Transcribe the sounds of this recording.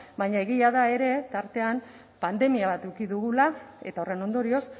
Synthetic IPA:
baɲae̞ɣiaðae̞ɾe̞t̪aɾt̪e̞am | pand̪e̞miaβat̪ewkiðuɣulae̞t̪aore̞no̞nd̪o̞ɾio̞s

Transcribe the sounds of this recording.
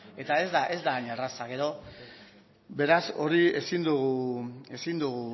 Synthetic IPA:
e̞t̪ae̞zd̪aʔe̞zd̪aːɲarasaɣe̞ɾo̞ | be̞ɾaso̞ɾie̞sind̪uɣue̞sind̪uɣu

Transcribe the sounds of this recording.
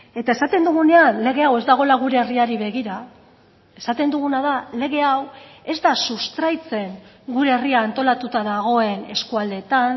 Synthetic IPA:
e̞t̪ae̞sat̪e̞nd̪uɣ̞une̞anle̞ɣ̞e̞awe̞zd̪aɣ̞o̞laɣ̞uɾe̞ːriaɾiβe̞ɣiɾa | e̞sat̪e̞nd̪uɣ̞unaðale̞ɣ̞e̞awe̞zd̪asust̪ɾajt͡se̞ŋ | ɡuɾe̞ːriaːnt̪o̞lat̪ut̪aðaɣ̞o̞e̞ne̞skuald̪e̞t̪an

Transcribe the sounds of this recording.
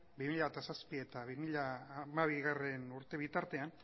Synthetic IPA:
bimiʎaβet̪asaspie̞t̪aβimiʎamaβiɣare̞nuɾt̪e̞βit̪aɾt̪e̞an

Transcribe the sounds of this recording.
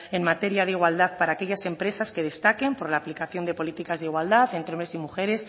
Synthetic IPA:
e̞nmat̪e̞ɾjaðeiɣwald̪aðpaɾaːke̞ʝase̞mpɾe̞saske̞ð̞e̞st̪ake̞mpo̞ɾlaːplikaθjo̞nd̪e̞po̞lit̪ikazðeiɣwald̪aθe̞nt̪ɾeo̞mɾe̞simuxe̞ɾe̞s

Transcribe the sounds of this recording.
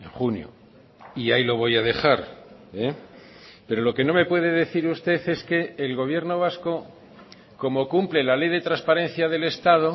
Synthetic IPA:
ḛŋχunjo̰ | iajlo̞β̞o̞jaðe̞xaɾe | pe̞ɾo̞lo̞ke̞no̞me̞pwe̞ðe̞ðe̞θiɾust̪e̞θe̞ske̞ːlɣo̞β̞je̞ɾno̞β̞asko̞ | ko̞mo̞kumple̞lale̞jðe̞t̪ɾanspaɾe̞n̟θjaðe̞le̞st̪aðo̞

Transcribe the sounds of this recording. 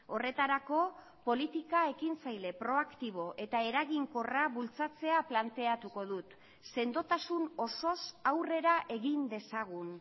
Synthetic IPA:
o̞re̞t̪aɾako̞ | po̞lit̪ikae̞kint͡sajle̞pɾo̞akt̪iβ̞o̞ʔe̞t̪ae̞ɾaɣiŋko̞raβult͡sat͡se̞aplant̪e̞at̪uko̞ðut̪ | se̞nd̪o̞t̪asuno̞so̞sawre̞ɾaʔe̞ɣind̪e̞saɣ̞un

